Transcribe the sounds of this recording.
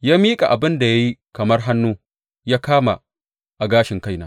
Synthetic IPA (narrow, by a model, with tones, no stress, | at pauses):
jaː˦miː˦kʼa̰˨ʔa˨bɪ˦nda˨ja˦ji˦kɐ˨mɐ˦rɦa˦nːuː˦ | jaː˦kaː˦ma˨ | ʔa˨ɡaː˦ʃɪ˨ŋka˦jnaː˦